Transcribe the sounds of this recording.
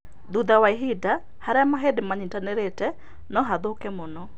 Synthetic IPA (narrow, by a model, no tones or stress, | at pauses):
ðuðawaeɦida | haɾɛamaɦedemaɲitaneɾetɛ | nɔɦaðokɛmɔnɔ